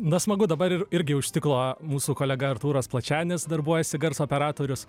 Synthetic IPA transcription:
nɐsmɐɡʊd̪ɐbɐɾɪɪɾʲɡʲɪʊʃʲt̪ʲɪklˠoːmuːsuːkoːlʲɛɡɐɐrt̪uːɾɐsplˠɐt͡ʃʲæːnʲɪsd̪ɐrbujɛsʲɪɡɐɾsoːpʲɛɾɑːt̪oːɾʲʊs

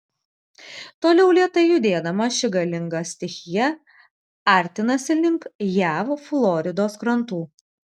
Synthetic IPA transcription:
t̪oːlʲɛʊlʲiɛt̪ɐɪjʊd̪ʲeːd̪ɐmɐʃʲɪɡɐlʲɪŋɡɐsʲt̪ʲɪxʲɪjɛ | ɑˑɾʲt̪ʲɪnɐsʲɪlʲɪŋkjæːʋflˠɔːɾʲɪd̪oːskɾɐnˑt̪uː

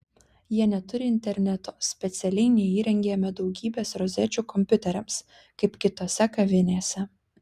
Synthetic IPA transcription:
jiɛnʲɛt̪ʊɾʲɪɪnʲt̪ʲɛɾʲnʲɛt̪osʲpʲɛt̪sʲɛlʲɛɪnʲɛiːɾʲɛŋʲɡʲeːmʲɛd̪ɒʊɡʲiːbʲeːsɾɔzʲɛt͡ʃʲuːkɔmʲpʲʊt̪ʲɛɾʲɛms | kɐɪpkʲɪt̪oːsʲɛkɐʋʲɪnʲeːsʲɛ

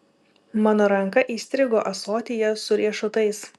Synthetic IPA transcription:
mɑːnoːɾɐŋˑkɐʔiːsʲt̪ʲɾʲɪɡoːʔɐsoːt̪ʲɪjɛsʊɾʲiɛʃʊt̪ɐɪs

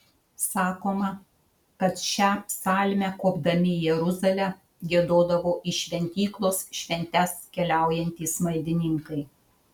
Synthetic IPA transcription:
sɑːkoːmɐ | kɐt̪ʃʲæpʲsɑːlʲmʲækoːbd̪ɐmʲɪjɛɾʊzɐlʲæ | ɡʲiɛd̪oːd̪ɐʋoːʔɪʃʲʋʲɛnʲt̪ʲiːklˠoːsʃʲʋʲɛnʲt̪ʲɛskʲɛlʲæˑʊjɛnʲt̪ʲiːsmɐɪd̪ʲɪnʲɪŋkɐɪ

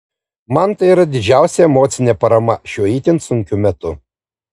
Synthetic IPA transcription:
mɐnt̪ɐɪiɾɐd̪ʲɪd͡ʒʲæˑʊsʲɛɛmoːt̪sʲɪnʲɛpɐɾɐmɐʃʲuɔiːt̪ʲɪnt̪sʊŋʲkʲʊmʲɛt̪ʊ

